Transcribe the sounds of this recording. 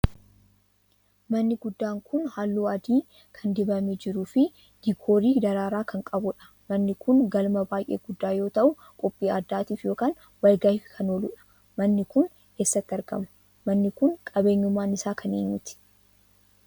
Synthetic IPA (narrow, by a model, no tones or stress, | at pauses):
mɐnːɪɡʊd̪ːaːŋkʰʊnhaːlːuːɐd̪iː | kʰɐnd̪ɪbɐmed͡ʒɪɾuːfɪ | ɡ̥ɪkʰo̞ːɾiːd̪ɐɾaːɾaːkɐŋkʼɐbʊᶑɐ̥ | mɐnːɪkʊŋɡɐlmɐbaːjʔeːɡʊd̪ːaːjo̞ːt̪ɐʔʊ | kʼɔpʼːiːɐd̪ːaːt̪iːfjo̞ːkaːn | wɐlɡahɪfkʰɐnoːlʊ̰ᶑɐ̥ | mɐnːɪkʊn | keːsːɐt̪ːɪɐɾɡɐ̰mɐ̥ | mɐnːɪkʊŋkʼɐbe̞ːɲːʊmːaːnɪsaːkʰɐnḛːɲːʊt̪ɪ̥